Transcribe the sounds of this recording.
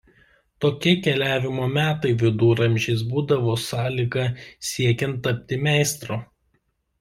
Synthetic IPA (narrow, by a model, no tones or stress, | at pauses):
t̪oːkʲiɛkʲɛlʲæːʋʲɪmoːmʲæːt̪ɐɪʋʲɪd̪uːɾɐmʲʒʲɪːsbuːd̪ɐʋoːsɑːlʲiɡɐsʲiɛkʲɛnt̪ːɐpʲt̪ʲɪmʲæˑɪst̪ɾoː